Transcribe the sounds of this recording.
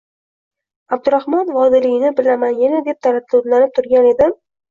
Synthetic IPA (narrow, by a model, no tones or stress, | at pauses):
ab̚d̪ʊɾahmɒnvɒd̪ɪlɪɡɪnɪbɪlamanjanad̪e̞p̚t̪ʰalat̪̚t̪ʊɾlanɪp̚t̪ʰʊɾɡʲane̞d̪ɪm